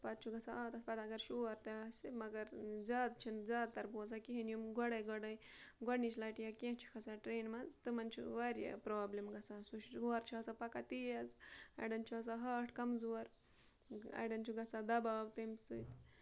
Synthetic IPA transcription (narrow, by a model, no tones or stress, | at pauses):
pɐt̪̚t͡ʃʰuɡɐt͡saaːt̪ɐspɐt̪ɐɡɐɾʃuɐɾt̪asemɐɡɐɾzaːd̪̚t͡ʃʰinzaːd̪̚t̪ɐɾboːsakiɦinjumɡɔɽɐjɡɔɽɐj | ɡɔɖnit͡ʃlɐʈijɐkʲeɦt͡ʃʰu̥kʰɐsaʈɾeːnmɐzt̪ɨmɐnt͡ʃʰṵʋaɾja̰pɾoːblemɡɐt͡sasuʃuɐɾt͡ʃʰiasapɐkat̪iɐzɐ̰jɖɐnt͡ʃʰuɐs̬aɦaːʈʰkɐmzuɐɾ | ɐ̰jɖɐnt͡ʃʰuɡɐt͡sad̪ɐbaːwt̪ɨmsɨt̪